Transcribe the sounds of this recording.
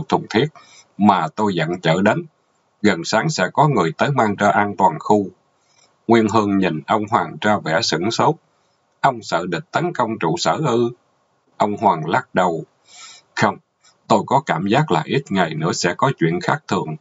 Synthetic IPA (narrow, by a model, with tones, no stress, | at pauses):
k̚t̪ʰʊ˨˩ŋ͡mt̪ʰi˦˥ət̚ | maː˨˩t̪o˧jzə̰˧˨nt͡ɕə̰ː˧˩ɗe˨˦n | ɣə˨˩nsaː˨˦ŋsɛ̰˧˥kɔ˨˦ŋɨ˨˩əjt̪əː˨˦jmaː˧ŋt͡ɕɔ˧ʔaː˧nt̪waː˨˩nxu˧ | ŋwi˧ənɦɨ˧əŋɲi˨˩nʔə˧wŋ͡mɦwaː˨˩ŋt͡ɕɔ˧vɛ̰˧˩sɨ̰˧˥ŋso˨˦˥w̚ | ʔə˧wŋ͡msə̰ː˧˨ɗḭ̈˨˩t̚t̪ə˨˦nkə˧wŋ͡mt͡ɕṵ˧˩sə̰ː˧˩ʔɨ˧ | ʔə˧wŋ͡mɦwaː˨˩ŋlaː˦˥k̚ɗə˨˩w | xə˧wŋ͡m | t̪o˧jkɔ˨˦kaː˧˩mzaː˦˥k̚la̰ː˨˩jʔi˦˥t̚ŋa˨˩jnɨ̰˧˥əsɛ̰˧˥kɔ˨˦t͡ɕwḭ˧˨ənxaː˦˥k̚t̪ʰɨ̰˧˨əŋ